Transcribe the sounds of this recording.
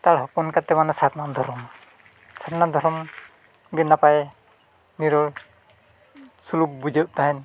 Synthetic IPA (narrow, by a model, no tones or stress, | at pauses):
t̪aɽɦɔpunkat̪ɛmanasaɾnad̪ʱɔɾɔm | saɾnad̪ʱɔɾɔm | ɡɛnːapaj | niɾɔ | suluk̚bud͡ʒəʔ̚t̪aɦɛn